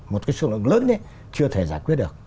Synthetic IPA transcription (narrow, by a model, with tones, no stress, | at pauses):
mo˨˩kaː˨˦jsɨ̰˧˩lw̰əŋləː˨˦nn˨˦ | t͡ɕɨ˧ət̪ʰe˧˩zaː˧˩jkwi˦˥ət̚ɗɨ˨˩ək̚